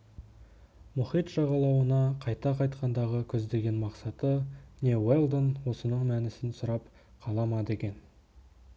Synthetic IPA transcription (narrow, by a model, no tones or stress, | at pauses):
mʊχijt̪ʒɑʁɑlˠɑwənɑqʰɑjt̪ɑqʰɑjt̪qɑnd̪ɑʁəkʲʰɵzd̪e̞ɡʲe̞nmɑqsɑt̪ənʲe̞we̞lˠd̪ənwo̞sənəɴmænɪsɪnsʊɾɑp | qʰɑlˠɑmɑd̪e̞kʲe̞n